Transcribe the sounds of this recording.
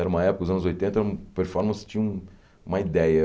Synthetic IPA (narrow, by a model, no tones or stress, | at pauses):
ɛɾɐũmɐɛpʊkɐd̪ʊzɐ̃nʊzojt̪ẽnt̪ɐɾũmɐpeɾfɔɾmɐ̃st͡ʃĩɲɐũ | ũmɐid̪ɛjɐ